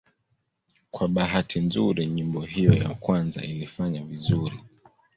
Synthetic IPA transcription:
kwaɓaɦatʰinzuɾiɲimbɔɦijɔja̰kwanza̰ilifaɲavizuɾi

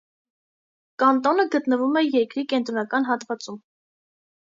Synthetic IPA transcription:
kɑnt̪ɔnəɡət̪nəvumɛjɛɾkɾikɛnt̪ɾɔnɑkɑnɦɑt̪vɑt͡sum

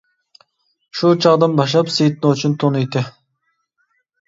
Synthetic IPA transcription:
ʃut͡ʃʰɑʁd̪ɨnbɑʃ̬ɑpsejt̪nɨt͡ʃʰunt̪ʰonɨjt̪ɪ

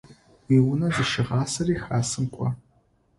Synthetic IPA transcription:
wiːwʊnɐzɨʃɪʁɑːsɐriːxaːsɨmkʷʼɔ

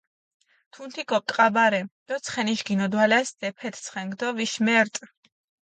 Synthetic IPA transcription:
t̪ʰunt̪ʰikɔkʼqʼabaɾɛd̪̥ɔt̪sʰχɛniʃɡinɔd̪walɛsd̪̥ɛpʰɛt̪ʰt̪sʰχɛŋɡd̪ɔviʃmɛɾt̪ʼ

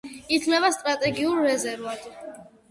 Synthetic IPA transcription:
it̪ʰnɛbast̪ʼɾat̪ʼɛɡiuɾːɛzɛɾvat̪

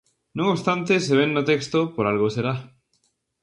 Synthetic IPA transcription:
nõŋost̪ant̪eseβenːot̪ekst̪opoɾalɣoseɾa

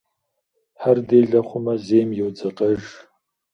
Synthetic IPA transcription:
ħardejɮɐχʷʊmɐzejmjɛwd͡zɐqʼɐʒ

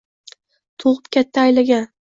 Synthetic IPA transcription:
t̪ʰoʁɨp̚kʲʰat̪ʰːaːjlaɡʲan

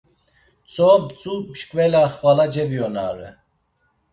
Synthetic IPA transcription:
t͡sʰʼɔbt͡sʼupʃkʼvɛlaχvalad͡ʒɛviɔna̰ɾɛ̰

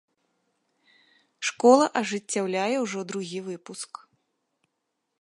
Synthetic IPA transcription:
ʂkɔlˠɐʔɐʐɨt͡sʲːawlʲajɛwʐɔd̪ɾuɣʲivɨpusk

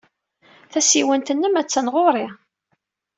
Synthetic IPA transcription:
θæsiwənt̪ənːəmæt͡sːænʁoɾˤi

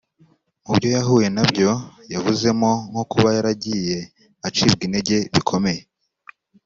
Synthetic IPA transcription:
mubɟo̞jaɦuːje̞nabɟo̞javuze̞mo̞ŋ̥hokuβajaɾaɟije̞ | at͡ʃib̚ɡinde̞ɟe̞βikʰo̞me̞je

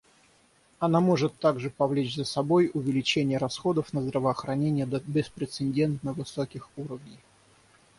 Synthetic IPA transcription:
ɐnamo̞ʐɨt̪ːaɡʐɨpɐvlʲet͡ɕzəsɐbo̞jʊvʲɪlʲɪt͡ɕenʲɪjəɾɐsxo̞d̪əfnəzd̪ɾəvəːxɾɐnʲenʲɪjəd̪əbʲɪspɾʲɪt̪sɨnʲdʲe̞nt̪nəvɨsokʲɪxuɾəvnʲɪj

